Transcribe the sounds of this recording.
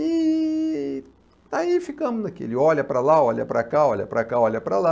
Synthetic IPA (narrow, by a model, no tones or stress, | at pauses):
ɪ | d̪̥aifikɐ̃mʊznakḛlɪɔʎɐpɾɐlaɔʎɐ̰pɾɐkaɔʎʲɐ̰pɾɐkaɔʎʲɐpɾɐ̰la